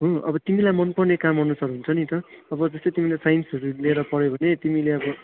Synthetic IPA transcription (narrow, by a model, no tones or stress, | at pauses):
ɦõʌ̰bʌt̪imilajmʌnpʌrnekamɦʌnusʌɾuɦunt͡sʰʌnit̪ʌʌbʌd͡zʌst̪ʌjt̪imilajsajnsʌɾuleɾʌpʌɾjobʱʌnet̪imileʌbʌ